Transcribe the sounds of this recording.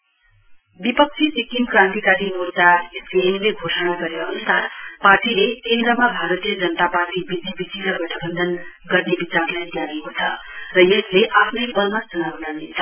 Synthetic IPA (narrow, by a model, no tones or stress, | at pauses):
bipʌk̚t͡sʰisikimkrãnt̪ikaɾimut̪aespienleɡʱosʌɽ̃aɡʌɾeʌnusarparʈilekend̪rʌmabʱaɾʌt̪ijʌd͡zʌnʌt̪aparʈibid͡zibisilʌɡʌʈʰʌbʌnd̪ʌn | ɡʌrnebit͡sarlajd̪janekot͡sʰʌ | rʌjesleʔapʰnʌjbʌmasʌnawnʌrnet͡sʰʌ